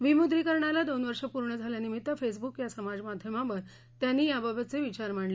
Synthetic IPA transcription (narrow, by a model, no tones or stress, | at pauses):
ʋimud̪ɾiːkəɾɳalad̪onʋəɾʂəpuɾɳəd͡zʱaljanimit̪ːəfes̬bukjasəmad͡zmad̪ʱjəmãʋəɾ | t̪janːiːjabəbʱət̪t͡seʋit͡ɕaɾm̤aɳle